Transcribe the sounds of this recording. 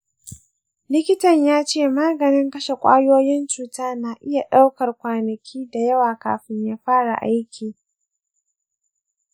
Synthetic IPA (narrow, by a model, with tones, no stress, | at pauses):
lɪ˦kʲɪ˦tɐ˨ɲjaː˦t͡ʃeː˦˨maː˦ɡɐ˨nɪ˦ŋkɐ˦ʃe˨kʷʼa̰ː˦joː˦jɪ˦nt͡ʃuː˨taː˦na˨ʔɪ˦ja˨ɗa˦wkɐ˨rkʷaː˨nɐ˨kʲʰiː˦da˨jɐ˦waː˨ka̰ː˨ɸɪ˦ɲjaː˦ɸaː˦ɽa̰˨ʔa˦jkʲʰiː˨